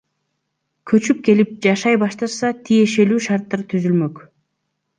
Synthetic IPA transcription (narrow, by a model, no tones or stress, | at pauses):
kʰɵ̞t͡ʃyp̚ke̞lip̚d͡ʒɑʃɑjbɑʃt̪ɑɾsɑt̪ʰije̞ʃe̞lyːʃɑɾt̪ːɑɾt̪ʰyzylmø̞k